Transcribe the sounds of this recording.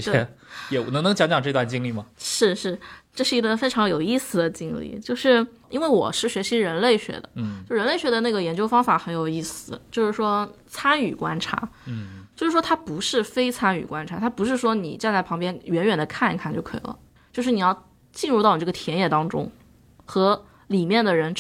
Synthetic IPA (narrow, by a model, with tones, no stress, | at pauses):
ɕt̪e˥ɛ˩˥˧jɛ˧˩wɔ˩˧˥ŋnɤ˧˥ŋt͡ɕjɑ˧˥ŋt͡ɕjɑ˨˩ŋʈ͡ʂɤ˥˧t̪wa˥˩nt͡ɕi˥ŋli˥˩mɐ˩ʂɻ̩˥˧ʂɻ̩˥˩ʈ͡ʂɤ˥˧ʂɻ̩˥˩i˧˥ɡə˧fe˥ɪʈ͡ʂʰɑ˧˥ŋjo˨˩ʊi˥˩sɹ̩˩d̪ə˩t͡ɕi˥ŋlḭ˥˩t͡ɕjo˥˧ʊʂɻ̩˥˩ | i˥nwe˥˩ɪwɔ̰˨˩ʂɻ̩˥˩ɕɥɛ˧˥ɕi˧˥ɻə˧˥nle˥˩ɪɕɥɛ̰˧˥d̪ə̰˧t͡ɕo˥˧˥ɻə˧˥nle˥˩ɪɥɛ˧˥d̪ə˧na˥˩ɡə˩jɛ˧˥nt͡ɕjo˥ʊfɑ˥ŋfa˨˧˥xə˧˥njo˨˩ʊi˥˩sɹ̩˩t͡ɕjo˥˧ʊʂɻ̩˥˩ʂwɔ˥ | t͡sʰa˥ny˨˩kwa˥nʈ͡ʂʰa̰˧˥t͡ɕjo˥˧ʊʂɻ̩˥˩ʂwɔ˥t̪ʰa˥pu˧˥ʂɻ̩˥˩fe˥ɪt͡sʰa˥ny̰˨˩kwa˥nʈ͡ʂʰa˧˥t̪ʰa˥pu˧˥ʂ̬ɻ̩˥˩ʂwɔ˥nḭ˨˩ʈ͡ʂa˥˧nt͡sa˥˩ɪpʰɑ˧˥ŋpjɛ˥nɥɛ˧˥nɥɛ˨˩nd̪ə˦kʰa˥˩nḭ˧˥kʰa˥˩nt͡ɕjo˥˩ʊkʰɤ˧˥ḭ˨˩lə̰˦ | t͡ɕjo˥˧ʊʂɻ̩˥˩ni˨˩jɑ˥˧ʊ | t͡ɕi˥˧nɻu˥˧t̪ɑ˥˩ʊni˨˩ʈ͡ʂɤ˥˩ɡə˩t̪ʰjɛ˧˥njɛ˥˩t̪ɑ˥ŋʈ͡ʂʊ̰˥ŋ | xɤ˧˥ | li˨˩mjɛ˥˩nd̪ə˩ɻə˧˥n